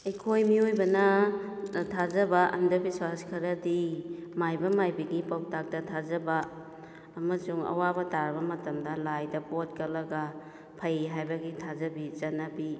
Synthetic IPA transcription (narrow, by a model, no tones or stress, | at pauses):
ejkʰojmiojbɐnɐ | tʰazɐbɐʔɐ̰ndɐbiswaskʰɐɾɐdimajbɐmajbiɡipawtak̚tɐtʰazɐbɐː | mɐsuŋɐ̰wabɐtaɾbɐmɐtɐmdɐlajdɐpot̚kɐlɐɡɐ | pʰɐjɦajbɐɡitʰazɐbizɐnabi